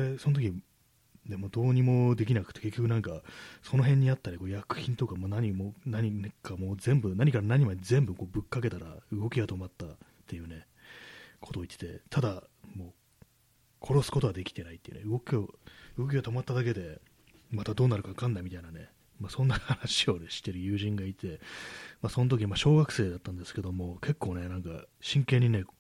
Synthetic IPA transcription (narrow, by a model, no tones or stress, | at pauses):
eso̞not̪okʲi | d̪emoːd̪o̞ːɲ̟imo̞d̪e̞kʲinakɯ̟̥t̪ːe̞ke̞kʲːokɯ̟nãŋkaso̞no̞ɦẽ̞ɲ̟ːiat̪ːaɾʲiko̞ːjakɯ̟̥çĩnt̪o̞kamo̞ːnaɲ̟imonaɲ̟inkamo̞ːzẽ̞mbɯ̟naɲ̟ikaɾanaɲ̟imaɲizẽ̞mbɯ̟ko̞ːbɯ̟kːake̞t̪aɾaɯ̟ɡo̞kʲiɡat̪o̞mat̪ːat̪ːe̞jɯ̟ːne̞ | kʰot̪oːit̪ːet̪et̪ʰad̪amo̞ː | kʰo̞ɾo̞sɨ̥ko̞t̪o̞βad̪e̞kʲi̥t̪e̞nait̪ːei̟nɯɡo̞kʲioɯ̟ɡo̞k̬ʲiɡat̪o̞mat̪ːad̪ake̞d̪e̞ | mat̪ad̪o̞ːnaɾɯ̟kakãnːaimʲit̪ainane̞ | maːsõ̞nːahanaɕio̞neɕi̥t̪e̞ɾɯ̟jɯ̟ːʑĩŋɡait̪e̞maːso̞not̪̬ok̬ʲiɲimaɕo̞ːɡakɯ̟̥se̞ːd̪at̪ːãnd̪e̞sɨ̥ke̞d̪o̞mo̞kʰe̞kːo̞ːne̞nãŋka̰ɕĩŋke̞ɲ̟ːine